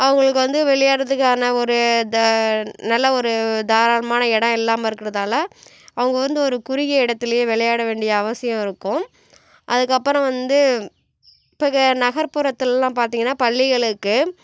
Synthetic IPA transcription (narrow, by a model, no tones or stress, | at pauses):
ʔɐʋɐŋɡɐɭɯkːɯʋɐnd̪ɯʋɛɭɐjaːɽɐðɯkːaːnɐɔɾɯd̪nɐlːɐɔɾɯd̪aːɾaːnɐmaːnɐɛɽɐ̃ɪlːaːmɐɪɾɯkːɪɾɐðaːlɐ | ɐʋɐŋɡɐʋɐnd̪ɯɔɾɯkʊɾɪɣɐɪɽɐt̪ːɪlɐjeːʋɛɭɐjaːɽɐʋeːɳɖɪjɐːʋɐsɪjɐ̃mɪɾɯkːʊ̃ | ʔɐðɯkːɐpːɯɾɐ̃ʋɐnd̪ɯ | ɪpːɐːɣɐnɐɣɐɾpɯɾɐt̪ːɯllãːpaːɾt̪iːŋɡɐnːaːpɐɭːɪɣɐɭɯkːɯ